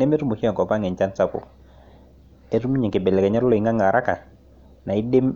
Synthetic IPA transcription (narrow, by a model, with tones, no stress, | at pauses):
nɛ˦me˦tu˦mu˨ki˦ɔ˨ŋkɔ˨pa˦ŋɛ˨t͡ʃa˦nsa˦kʊ̰˨ | e˦tu˦mu˦ɲe˨ke˨bɛ˨lɛ˨kɛ˨ɲa˦ɾʊ˦lɔ˨i˨ŋa˦ŋa˨ɾʔa˦ka˨ | na˨i˦de˦m